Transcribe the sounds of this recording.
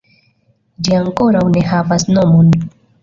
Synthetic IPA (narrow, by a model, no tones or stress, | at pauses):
d͡ʒiaŋko̞ɾawne̞havasno̞mon